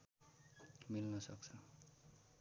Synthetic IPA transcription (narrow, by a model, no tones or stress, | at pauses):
milnʌsʌk̚t͡sʰʌ